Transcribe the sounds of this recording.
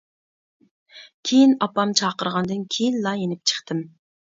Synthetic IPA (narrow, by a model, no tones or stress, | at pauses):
kʲʰejinɑpɑmt͡ʃʰɑːqəɾʁɑnd̪ɨnkʲʰejinlɑjenɪp̚t͡ʃʰə̥χt̪ʰɨm